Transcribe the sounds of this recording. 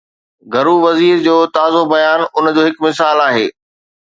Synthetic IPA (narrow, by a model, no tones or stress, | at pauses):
ɡʱɐɾuʋɐziːɾd͡ʑoːt̪aːzobɐjaːnʊnd͡ʑoːɦɪkmɪsaːlaːɦeː